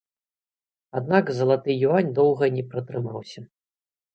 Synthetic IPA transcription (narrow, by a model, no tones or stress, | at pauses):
ad̪̚nakzɐlˠat̪ɨjuvanʲd̪ɔwɣɐnʲɛpɾɐt̪ɾɨmawsʲɐ